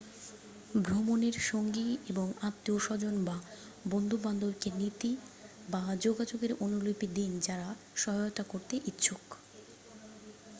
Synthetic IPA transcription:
bʱɾomoneɾʃoŋɡieboŋat̪ːioʃɔd͡ʑonba | bond̪ʱuband̪oɾkenit̪i | bad͡ʑoɡad͡ʑoɡeɾonulojpid̪ind͡ʑaɾa | ʃɔɦaot̪akoɾt̪eʔit̪ːɕʰok

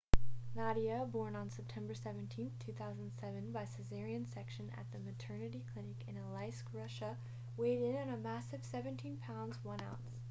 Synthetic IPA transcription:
nɑɾiɨbɔɹnə̃nsɛp̚tʰɛ̃mbə˞sɛvɨ̃ntʰĩnθtʰʉθaʊzə̃n̩sɛvɨ̃nbaɪsɨzɛɹiɨ̃nsɛkʃɨ̃nɨ̰t̪̚ðɨmɨtʰɜ˞nɨɾikʰl̥ɪ̃nɨkɨ̃nəlaɪskɹʌʃə | weɪɾɪ̃nɨ̃nəmæsɨv̥sɛvɨ̃ntʰĩnpʰãʊ̃ndzwʌ̃naʊts

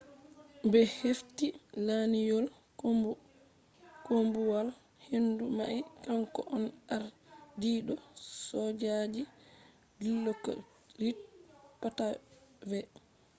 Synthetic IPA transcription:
bɛheftilanijɔl | kombuwal | hendumajkaŋkɔ̰ʔɔnaɾ | diːɗɔsɔd͡ʒad͡ʒi | dilːɔkːɔ̰ | ɾit̚patavɛ

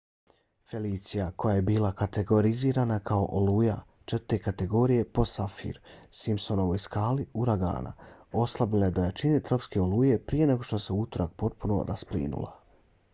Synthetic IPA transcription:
fe̞lit̪sijako̞jaje̞biːlˠakat̪e̞ɡo̞ɾiziːɾaːnakʰao̞ʔoluːja | t͡ʃere̞kat̪e̞ɡo̞ːɾije̞po̞safḭɾsimpso̞no̞ʋojskaːliuɾaɡa̰ːna̰o̞slˠabilaje̞d̪o̞jat͡ʃinet̪ɾopske̞o̞lˠuːje̞pɾije̞ne̞ɡo̞ʃt̪o̞se̞ut̪o̞ɾak̚po̞t̪̚puno̞̰ɾʔa̰splḭːnṵlˠa̰

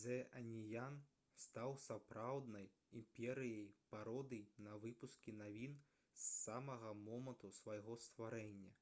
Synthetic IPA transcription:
zʲɛɐnʲijan | st̪awsapɾawd̪nɐj | impʲɛɾɨjɐjpaɾɔd̪ɨjnɐvɨpuskʲinavʲin | sːamɐɣɐmɔmɐnt̪usvajɣɔst̪vaɾɛnʲːɐ

